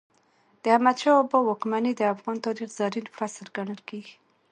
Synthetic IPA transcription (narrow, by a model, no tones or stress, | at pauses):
d̪̥əhamad̪ʃɑːbɔwɔkmanid̪əafɣɑnt̪ɑɾixz̥aɾinfɾasəɾɡaɳəlkeɡi